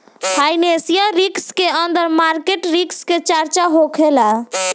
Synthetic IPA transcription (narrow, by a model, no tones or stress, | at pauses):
fʰajnesijaɾikskeənd̪əɾmaɾkeʈɾiksket͡ʃaɾt͡ʃaɦokʰela